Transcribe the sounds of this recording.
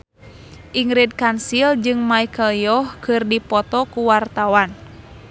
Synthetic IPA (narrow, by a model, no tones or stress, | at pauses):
ʔiŋɾid̚kansild͡ʒɨŋmaikəlijɔhkɨrdipɔt̪ɔkuwart̪awan